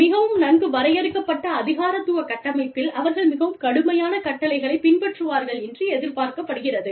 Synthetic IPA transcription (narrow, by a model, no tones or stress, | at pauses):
mɪɣɐʋɯmnɐnbɯʋɐɾɐjɐɾɯkːɐpːɐʈːɐːðɪɣaːɾɐt̪ːɯʋɐkɐʈːɐmɐɪpːɪlɐʋɐɾɣɐɭmɪɣɐʋɯmkɐɽɯmɐjaːnɐkɐʈːɐlɐɪɣɐɭɐɪpːɪnpɐʈrɯʋaːɾɣɐɭɛndrɯɛðɪlpaːɾkɐpːɐɽɯɣɪrɐðɯ